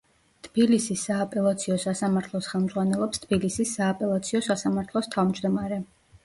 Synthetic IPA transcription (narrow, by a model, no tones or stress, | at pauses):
t̪ʰb̥ilisisːaːpʼɛlˠat̪sʰiɔsasamaɾt̪ʰlˠɔsχɛlˠmz̥ʁwanɛlˠɔpst̪ʰbilisisːaːpʼɛlˠat̪sʰiɔsasamaɾt̪ʰlˠɔst̪ʰavmd͡ʒd̪ɔmaɾɛ